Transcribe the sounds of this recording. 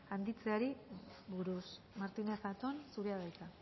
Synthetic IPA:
and̪it͡se̞aɾi | βuɾus | maɾt̪inesat̪onsuɾeaðajk̪a

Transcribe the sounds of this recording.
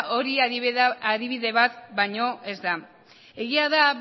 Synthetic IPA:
ʔo̞ɾi | aðiβiðe̞βat̪bajɲo̞ʔe̞zd̪a | e̞ɣiaða

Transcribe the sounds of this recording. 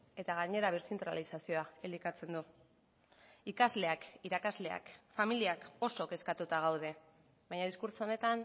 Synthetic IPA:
e̞t̪aɣ̞aɲe̞ɾaβ̞iɾsent̪ɾa̰lisasio̞aelikat͡se̞nd̪u | ikazle̞akiɾakazle̞a̰kfamiliako̞so̞ke̞skat̪ut̪aɣ̞awð̞e̞ | βajɲaðiskuɾt͡soone̞t̪an

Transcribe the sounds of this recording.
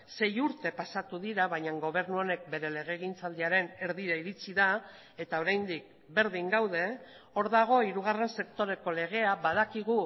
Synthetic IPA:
se̞juɾt̪e̞pasat̪uðiɾaβajɲaŋɡo̞β̞e̞ɾnuo̞ne̞k̚be̞ɾe̞le̞ɣ̞e̞ɣ̞int͡sald̪iaɾe̞ne̞ɾðiɾaiɾit͡siða | e̞t̪ao̞ɾajnd̪ik̚ | be̞ɾðiŋɡawð̞e̞ | o̞ɾðaɣ̞o̞iɾuɣ̞are̞nse̞kt̪o̞ɾe̞ko̞le̞ɣ̞e̞aβaðakiɣ̞u

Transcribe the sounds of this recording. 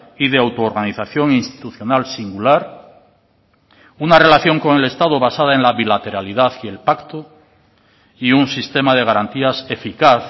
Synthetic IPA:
iðeawt̪oːɾɣaniθaθjo̞ŋinst̪i̥t̪uθjo̞nalsiŋɡulaɾ | unare̞laθjo̞ŋko̞ŋe̞le̞st̪aðoβ̞asað̞ae̞nlaβilat̪e̞ɾaliðaθie̞lpakt̪o | iunsist̪e̞mað̞e̞ɣ̞aɾant̪iase̞fikaθ

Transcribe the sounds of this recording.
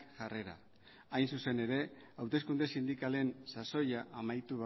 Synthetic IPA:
ʝare̞ɾa̰ | ajnsuse̞ne̞ɾe̞ | awt̪e̞skund̪e̞sind̪ikale̞nsaso̞jaʔamajt̪uβa

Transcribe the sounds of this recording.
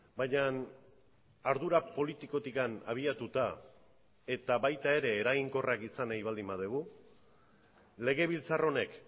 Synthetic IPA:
bajɲan | aɾðuɾapo̞lit̪iko̞t̪ikana̰β̞iat̪ut̪a | e̞t̪aβajt̪ae̞ɾe̞ːɾaɣiŋko̞rʔakisanajβald̪imbaðeɣu | le̞ɣ̞e̞βilt͡saro̞ne̞k

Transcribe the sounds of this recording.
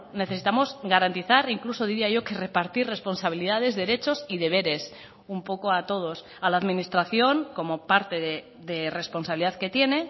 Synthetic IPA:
ne̞θe̞sit̪amo̞zɣaɾant̪iθaɾiŋklusoð̞iɾiaʝo̞ke̞re̞paɾt̪ire̞spo̞nsaβ̞iliðaðe̞zðe̞ɾe̞t͡ʃo̞siðe̞β̞e̞ɾe̞s | umpo̞koat̪o̞ð̞o̞s | alaːðmĩnist̪ɾaθjo̞ŋko̞mo̞paɾt̪e̞ðe | ðere̞spo̞nsaβliðaðke̞t̪je̞ne̞

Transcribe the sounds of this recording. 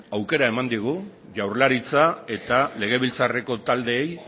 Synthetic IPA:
awke̞ɾae̞mand̪iɣ̞u | ʝawɾlaɾit͡sae̞t̪ale̞ɣ̞e̞βilt͡sare̞ko̞t̪ald̪e̞ːj

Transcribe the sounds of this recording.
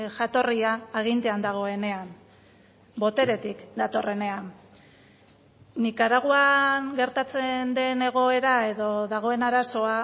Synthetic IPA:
ʝat̪o̞riaːɣ̞int̪e̞and̪aɣ̞o̞e̞ne̞am | bo̞t̪e̞ɾe̞t̪ikd̪at̪o̞re̞ne̞am | nikaɾaɣ̞uaŋɡe̞ɾt̪at͡se̞nd̪e̞ne̞ɣ̞o̞e̞ɾae̞ðo̞ðaɣ̞o̞e̞naɾaso̞a

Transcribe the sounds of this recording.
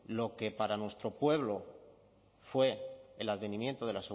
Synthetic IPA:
lo̞ke̞paɾanwe̞st̪ɾo̞pwe̞β̞lo | fwe̞ːlaðβe̞nĩmjẽ̞nt̪oð̞e̞lase

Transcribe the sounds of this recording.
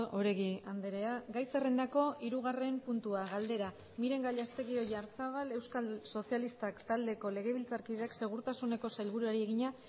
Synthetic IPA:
oɾe̞ɣiand̪eɾe̞aɡajsere̞nd̪ako̞iɾuɣ̞are̞mpunt̪uaɣald̪e̞ɾa | miɾe̞ŋɡaʎast̪e̞ɣio̞ʝaɾsaβ̞ale̞wskalso̞sialist̪akt̪ald̪e̞ko̞le̞ɣe̞β̞ilt͡saɾkið̞eakse̞ɣ̞uɾt̪asune̞ko̞sajlβuɾuaɾie̞ɣ̞iɲa

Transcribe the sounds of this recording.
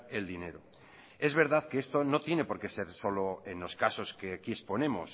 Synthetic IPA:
eld̪ine̞ɾo | e̞zβ̞e̞ɾð̞aðkeest̪ono̞t̪je̞ne̞po̞ɾke̞se̞ɾso̞loenlo̞skaso̞skeakiespo̞nẽ̞mo̰s

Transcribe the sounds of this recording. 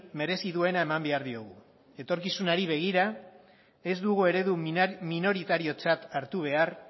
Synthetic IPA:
me̞ɾe̞siðue̞nae̞mambe̞aɾðio̞ɣ̞u | e̞t̪o̞ɾkisunaɾiβe̞ɣ̞iɾa | e̞zd̪uɣ̞ue̞ɾe̞ðumino̞ɾit̪aɾio̞t͡sat̪aɾt̪uβ̞e̞aɾ

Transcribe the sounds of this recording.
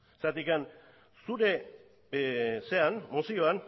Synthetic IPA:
sat̪ikan | suɾe̞ | se̞anmosio̞an

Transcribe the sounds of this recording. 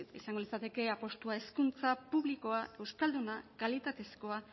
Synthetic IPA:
isaŋɡo̞lit͡sat̪e̞ke̞apo̞st̪uae̞skunt͡sapuβliko̞ae̞wskald̪unakalit̪at̪e̞sko̞a

